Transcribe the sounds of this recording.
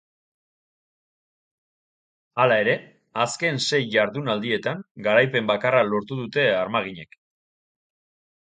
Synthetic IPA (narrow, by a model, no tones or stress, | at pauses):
alae̞ɾe̞ | aske̞nse̞jʝaɾðunald̪ie̞t̪aŋɡaɾajpe̞mbakaralo̞ɾt̪uðut̪e̞aɾmaɣ̞iɲe̞k